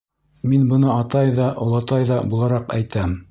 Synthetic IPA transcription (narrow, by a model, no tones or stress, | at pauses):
minbɤ̆nɤɑt̪ɑjðɑʔŏlˠɑt̪ɑjðɑbulˠɑɾɑqæjt̪æm